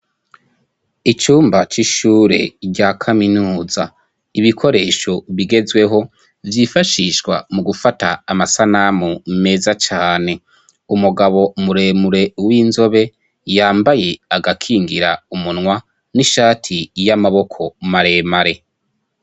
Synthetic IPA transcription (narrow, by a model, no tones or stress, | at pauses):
it͡ʃuːmbat͡ʃiʃuːɾe̞̰ɟakʰaminuːza | iβikʰo̞ɾe̞ːʃo̞βiɡe̞zwe̞ɦo̞ | vjifaʃiʃkwa̰muɡufataːmasanamume̞ːzat͡ʃaːne̞ | umuɡaβo̞muɾe̞ːmuɾe̞wiːnzo̞βe̞ | jaːmbaje̞aɡakʰiːŋɡiɾaumunŋwa | niʃaːtʰijamaβo̞kʰo̞maɾe̞ːmaɾe̞